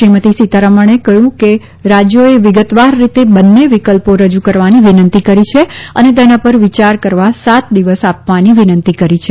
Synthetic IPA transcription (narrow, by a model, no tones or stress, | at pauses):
ʃɾimət̪isit̪aɾəməɳ̃ekəɦjũke | ɾad͡ʒjoeʋɪɡət̪ʋaɾːit̪ebənːeʋikəlpoɾəd͡ʒukəɾʋaniʋinənt̪ikəɾit͡ʃʰeənet̪̬ɛnapəɾʋit͡ʃaɾkəɾʋasat̪d̪iʋəsapʋaniʋinənt̪ikəɾit͡ʃʰe